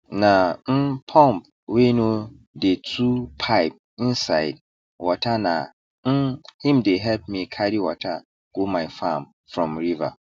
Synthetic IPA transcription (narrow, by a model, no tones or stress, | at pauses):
nãm̩pʰɔ̃mp̚ | wenũ | detʰupʰaɪp̚ | ĩnsaɪd̚ | wɔtʰanã̰ | n̩hĩmdeɦɛlp̚mĩkʰaɾiwɔtʰa | ɡ̥omãɪfãm | fɾɔ̃mɹiva̰